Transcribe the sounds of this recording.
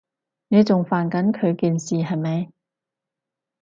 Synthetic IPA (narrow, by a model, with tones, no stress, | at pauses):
ne˨˧jt͡sʊ˨ŋfaː˨nkɐ˨˥nkʰɵ˨˧ɥkiː˨nsiː˨ɦɐ˨jmɐ˨˧j